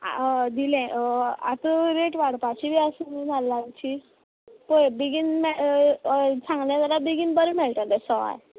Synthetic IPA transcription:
a̰d̪ilɛ̃a̰t̪əɾeʈʋaɽpat͡ɕibʱiasuminalːãnt͡ɕi | pəbiɡinmɛ | sãŋɡljãt̪aɾabiɡinbəɾəmɛlʈ̪ad̪ɛsɔa̰j

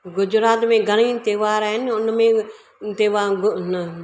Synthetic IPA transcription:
ɡʊd͡ʒɾaːt̪mẽːɡʱəɽ̃ĩːt̪eːʋaːɾaɦɪnʊnmẽ | t̪eʋaːɡn

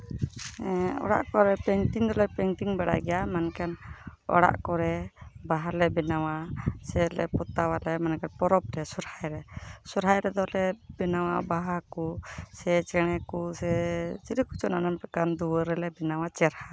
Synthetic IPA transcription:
ɛɔ̰ɽa̰ʔkɔɾɛpɛŋʈiŋd̪ɔlɛpɛŋʈiŋbaɽa̰jɡɛjamankanɔ̰ɽa̰ʔkɔɾɛbaɦalɛbɛnawasɛlɛ̰put̪awalɛmankanpɔɾɔp̚ɾɛsuɾhajɾɛsuɾɦajɾɛd̪ɔlɛbɛnawabaɦakusɛt͡ʃɛɽ̃ɛkusɛt͡ʃiɾiku̥t͡ʃɔnanampɛkand̪uwəɾɛlɛbɛnawat͡ʃɛɾha

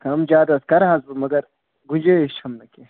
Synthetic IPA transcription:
kɐmd͡ʒaːd̪ɐskɐɾɦɐzumɐɡɐɾ | ɡund͡ʒeiʃʰhɐmnɐke

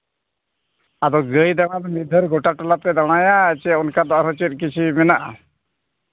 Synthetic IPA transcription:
ad̪ɔɡəjd̪aɽ̃ad̪ɔmid̪ʱəɾɡɔʈaʈɔlat̪ɛd̪aɽ̃ajat͡ʃɛunkad̪ɔʔɾɔt͡ʃit̪̚ˀkit͡ʃʰiminaʔ

